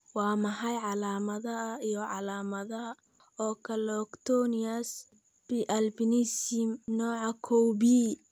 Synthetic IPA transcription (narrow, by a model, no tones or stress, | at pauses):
wɑːmɐħɑjʕɑlaːmɐðɐijɔʕɑlaːmɐðɐ | ɔːkʰɐlɔːkt̪ʰɔniɐs | bʔɐlbinisɪmnɔːʕɑkʰɔwbi